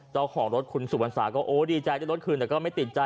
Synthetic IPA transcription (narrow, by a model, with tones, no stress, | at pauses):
t͡ɕaː˥˧˩wkʰɔː˩˦ŋɾo˦˥t̪̚kʰu˧nsuː˨˩pa˧nsa̰ː˩˦kɔː˥˩ʔoː˧˦diː˧t͡ɕa˧j̪t̪ʰi˥˩ɾo˦˥t̚kʰɯː˧t̪ɛ˨˩kɔː˥˩ma˥˩jt̪i˨˩t̪̚t͡ɕa˧